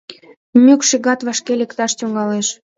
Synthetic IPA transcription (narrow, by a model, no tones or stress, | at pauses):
mʲykʃiɣɑt̪βɑʃkelʲekt̪ɑʃt̪uŋɡɑleʃ